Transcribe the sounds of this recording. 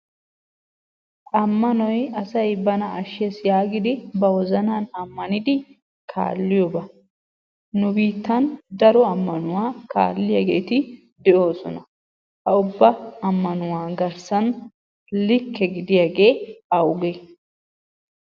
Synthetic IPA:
ʔɐmːɐnɔjɐsɐjbɐnɐʔɐʃɛsjaːɡɪd̪ɪbɐwɔzɐnaːnɐmːɐnɪd̪ɪ | kʰa̰ːlːɪjɔbɐ | nʊbiːt̪ːɐnd̪ɐɾɔɐmːɐnʊwaːka̰ːlːɪjɐɡḛːt̪ɪ | d̪ɛʔo̞ːsɔ̰nɐ | hɐʊbːɐɐmːɐnʊwaːɡɐɾsɐn | lɪkʰːɛɡɪd̪ɪjɐɡe̞ːɐwʊɡe

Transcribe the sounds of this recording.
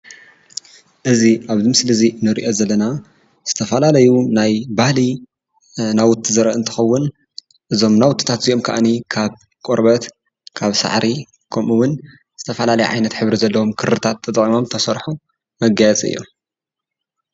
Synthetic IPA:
ʔɨziʔaβzɨmsɨlɨzinɨɾḭʔo̞zɐlːɐna | z̥ɨt̪ʰɐfɐlalɐjunajbahli | nawʊt̪ʰːizɐɾɐʔɨnt̪ʰɨ̥xɐwːʊn | ʔɨzo̞mnawʊt̪ʰːi̥t̪ʰat̪ziʔo̞mkʰa̰ʔanikʰaβ | kʼoɾbɐt̪ | kʰaβsa̰ʕɾʔi | kʰɐmʔuwʊn | z̥ɨt̪ʰɐfɐlalɐjuʕa̰jnɐt̪ħɨβɾizɐlːɐwomkʰɨɾɨt̪ʰat̪ʰːɐt̪ʼχʼimo̞mt̪ʰɐsɐɾħu | mɐɡajɛt͡sʼɨ̰jːo̰

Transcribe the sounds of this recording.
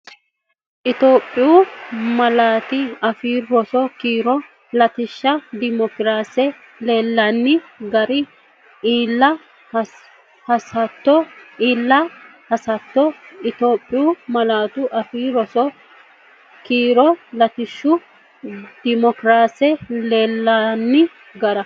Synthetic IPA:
ʔɪt̪o̞ːpʼːɪjuːmɐlaːt̪ɪɐfiːɾɾɔsɔkiːɾɔ | lɐt̪ɪʃːɐd̪ɪmɔkɾaːsɛ | leːlːanːɪɡɐɾɪ | iːlːɐ | hɐsɐt̪ːɔiːlːɐhɐsɐt̪ːɔɪt̪o̞ːpʼːɪjumɐlaːt̪ʊʔɐfiːɾɔsɔ | kiːɾɔlɐt̪ɪʃːʊ | d̪̥ɪmɔkɾaːsɛleːlːanːɪ | ɡɐɾɐ

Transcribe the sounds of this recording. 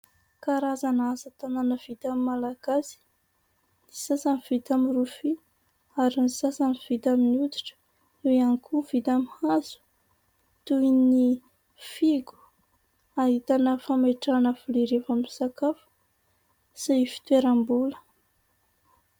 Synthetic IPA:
kaɾazanazət̪ananəv̥it̪amimalaɡ̥asi̥ | ni̥sasaniv̥it̪amirufi | aɾinisasaniv̥it̪aminud̪i̥ʈ͡ʂə̥ | ewianikuv̥it̪amihazu̥ | t̪uini | fiɡu̥ | aɦit̪anəfameʈ͡ʂanəvuliɾefamiisakafə̥ | safi̥t̪weɾambulə̥

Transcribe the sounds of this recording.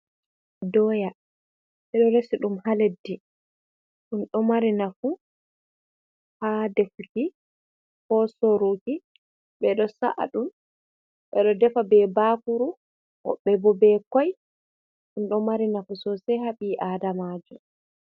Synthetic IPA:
dɔja | ɓɛɗɔɾesiɗumhaledːi | ɗunɗɔmaɾinafu | hadefuki | kɔsoɾoki | ɓɛɗɔsa̰ʔa̰ɗum | ɓɛɗɔdɛfabɛbaːkuɾu | ʔɔ̰ɓɛbɔbɛkɔj | ɗunɗɔmaɾinafusɔsɛhaɓiʔadamad͡ʒɔ

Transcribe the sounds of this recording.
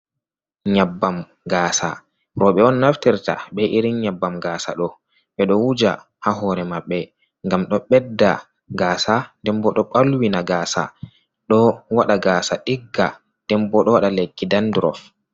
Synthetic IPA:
ɲabːam | ɡaːsa̰ | ɾɔɓɛɔnːaftiɾta̰ɓɛʔiɾiɲabːamɡaːsa̰ɗɔ | ɓɛɗɔwud͡ʒa̰ | haɦɔɾɛmaɓːɛ | ŋɡamɗɔɓɛdːa | ɡaːsandɛmbɔɗɔɓalwinaɡaːsa̰ | ɗɔwaɗaɡaːsaʔiɡːa | nd̥ɛmbɔɗɔwaɗalekːidandɾɔ̰f

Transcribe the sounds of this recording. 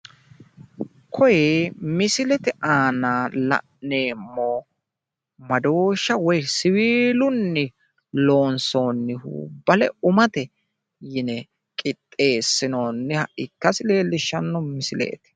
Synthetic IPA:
kʰɔjeːmɪsɪlɛt̪ɪʔaːnaːlɐ̰ʔne̞ːmːo | mɐd̪o̞ːʃːɐwɔjsɪwiːlʊnːɪ | lo̞ːnso̞ːnːɪhṵːbɐlɛʊmɐt̪ɛ | jɪnɛ | kʼɪt̪ʼːe̞ːsːɪno̞ːnːɪhɐʔɪkːɐsɪle̞ːlːɪʃːɐnːɔmɪsɪlɛ̰ːt̪ɪ̥

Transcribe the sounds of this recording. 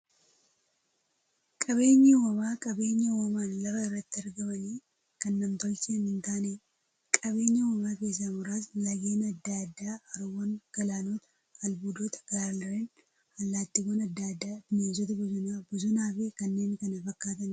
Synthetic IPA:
kʼɐβe̞ːɲːɐwɔmaːkʼɐbe̞ːɲːɐwɔmaːnlɐfɐɪrːɐt̪ːɪɐɾɡɐmɐniː | kɐnːɐmt̪ɔlt͡ʃɪɐnɪnt̪aːneː | kʼɐβe̞ːɲːɐwɔmaːke̞ːs̬ːɐmʊɾaːslɐɡeːnɐd̪ːad̪ːaːɐɾʊwɐŋɡ̥ɐlaːnoːt̪ɐ̥ | ɐlbuːd̪oːt̪ɐ̥ɡaːɾlɾen | ɐlːaːt̪ːɪboːnɐd̪ːad̪ːaːbɪneːs̬ɔt̪ɐbʊzʊnaːbʊzʊnaːfekɐnːe̞ːnkɐnɐfɐkːaːt̪̬ɐn

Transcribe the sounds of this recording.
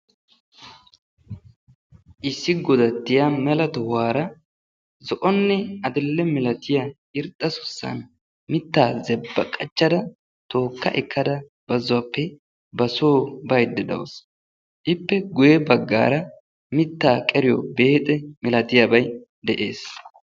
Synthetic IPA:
ʔɪsːɪɡɔd̪ɐt̪ːɪjamɛlɐt̪ɔhaːɾɐ | zɔʔɔnːɛɐd̪ɪlːɛmɪlɐt̪ɪja | ɪɾt̪ʼːɐsʊ̥sːɐ̰n | mɪt̪ːaːzɛbːɐkʼɐt͡ʃːɐd̪ɐ | t̪o̞ːkːɐʔɪkːɐd̪ɐ | b̥ɐzʊwapːɛ | bɐsoːbɐjd̪ːɪd̪ɐ̰ws | ʔɪpːɛɡʊjɛbɐɡːa̰ːɾɐ | mɪt̪ːaːkʼɛɾɪjɔ̰be̞ːt̪ʼɛmɪlɐt̪ɪjabɐj | d̪ɛʔe̞̰ːs

